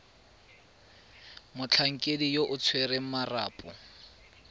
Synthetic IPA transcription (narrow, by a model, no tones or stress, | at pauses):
mʊt͡ɬʰaŋ̩kʼedijoʔʊt͡sʰweɾeŋ̩mara̰ːpʼɔ